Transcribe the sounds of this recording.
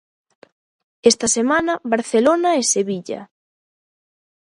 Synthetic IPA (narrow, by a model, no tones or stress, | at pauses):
est̪ɐsemanɐβaɾθelonaeseβiʎɐ̰